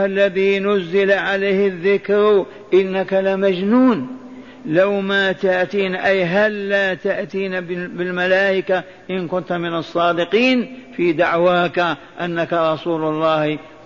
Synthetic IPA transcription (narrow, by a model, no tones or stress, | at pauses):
ʔalːaðinʊzːɪlaʕaleːhɪðːɪkɾ | ʔɪnːakalamad͡ʒnuːn | lawmat̪aʔt̪iːnʔajɦalːaːt̪aʔt̪iːnabɪlmalaːʔɪka | ʔɪnkʊnt̪amɪnɑsˤːɑːd̪ɪqiːnfiːd̪aʕwaːka | ʔanːakaɾˤɑsˤuːlʊlˤːɑːh